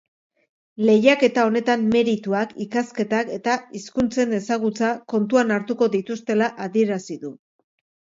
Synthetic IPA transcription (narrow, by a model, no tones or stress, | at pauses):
le̞jake̞t̪ao̞ne̞t̪amme̞ɾit̪uakikaske̞t̪ake̞t̪aiskunt͡se̞ne̞saɣ̞ut͡sako̞nt̪uanaɾt̪uko̞ðit̪ust̪e̞laʔaðie̞ɾasiðu